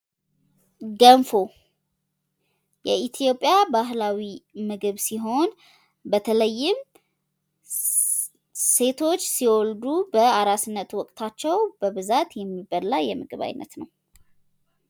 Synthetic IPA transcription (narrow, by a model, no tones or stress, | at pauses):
ɡənfo | jɛit̪ʰjo̞pʼjabaɦlawimɨɡɨβsiɦo̞n | bət̪ʰələjːɪm | se̞t̪ʰo̞t͡ʃːsiwɔld̪ubəaɾasɨnːət̪wɔkʼt̪ʰat͡ʃːɛwbəβɨzat̪jɛmːibːəlajɛmɨɡɨβa̰jnːə̰t̪nəw